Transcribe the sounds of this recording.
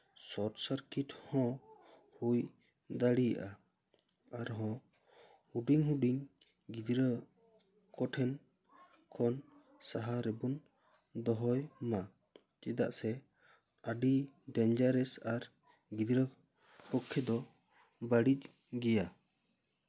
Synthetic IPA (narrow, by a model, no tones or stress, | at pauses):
sɔʈsaɾkiʈhɔ̃ | huj | d̪aɽija̰ʔa | aɾɦɔ̃ | huɖiŋɦuɖiŋ | ɡid̪ɾə | kɔʈʰɛn | kʰɔn | saɦaɾɛbun | d̪ɔɦɔjma | t͡ʃid̪a̰ʔsɛ | aɖiɖɛnd͡ʒaɾɛsaɾ | ɡid̪ɾə | pɔkʰːɛd̪ɔ | baɽit͡ʃ | ɡɛja